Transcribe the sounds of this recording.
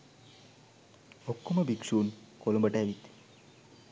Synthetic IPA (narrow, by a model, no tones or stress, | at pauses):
okːumɐbʱikʂuːn | kolombəʈaʋit̪